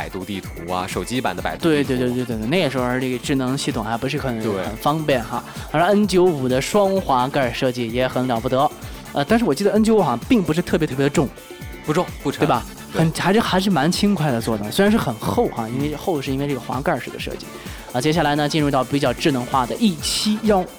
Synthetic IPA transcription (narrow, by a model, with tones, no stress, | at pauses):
pa˨˩ɪt̪u˥˧t̪i˥˩t̪ʰu˧˥ɐ̰˧ʂo˨˩ʊt͡ɕi˥pa˨˩nd̪ə˧pa̰˨˩ɪt̪we˥˧ɪt̪wt̪we˥˧t̪̬wt̪t̪wne˥˩ə˩ʂɻ̩˧˥xə˞˧˥e˥˩ə˧˩ʈ͡ʂɻ̩˥˩nɤ˧˥ŋɕi˥˩ʊ˨˩ŋxa˧˥ɪpʂɻ̩˥˩kʰɤ˨˩nɤ˧˥ŋ˥xə̰˨˩nfɑ˥ŋpjɛ˥˩nxa̰˧˩a˧˥˧ə˥nt͡ɕjo˧˥ʊu˨˩d̪ə˦ʂwɑ˥ŋxwa˧˥ka˥˩˧ʂɤ˥˧t͡ɕi˥˩jɛ˧˥xə˧˥nljɑ˨˩ʊpu˥˩t̪ɤ˧˥ | ə˧t̪a˥˧nʂɻ̩˥˩wɔ˨˩t͡ɕi˥˩d̪ə˧ə˥nt͡ɕjo˧˥ʊu˨˩xa˧˩pi˥˩ŋp̬u˧ʂ̬ɻ̩˥˧t̪ʰɤ˥˩pjt̪ʰɤ˥˩jɛ˧˥d̪ə˧ʈ͡ʂʊ˥˩ŋ | pu˧˥ʈ͡ʂʊ˥˩ŋu˥˩e˥˧˩a˨˩ | xə˨˩nxa˧˥ɪʂ̩˥xa˧˥ɪʂ̬ɻ̩˥˩ma˧˥nt͡ɕʰi˥ŋkʰwa˥˩ɪd̪ə˩t͡swɔ˥˩d̪ə̰˨˩swe˥ɻa˧˥nʂɻ̩˥˩xə˨˩nxo˥˩ʊxa̰˩i˥nwe˥˧ɪ˥xo˥˧ʊʂɻ̩˥˧i˥we˥˧ɪʈ͡ʂɤ˥˩ɡə˨xwa̰˧˥ka˞˥˧ʂɻ̩˥˩d̪ə̰˩ʂɤ̰˥˧t͡ɕḭ˥˩ | ə˧t͡ɕjɛ˥ɕ̬a˥˩la˧˥ɪnə˧t͡ɕi˥˧nɻu˧t̪ɑ˥˩ʊpi˨˩t͡ɕjɑ˥˧ʊʈ͡ʂɻ̩˥˩nɤ˧˥ŋxwa˥˩d̪ə˩ʔi˥˩t͡ɕʰi˥jɑ˥ʊ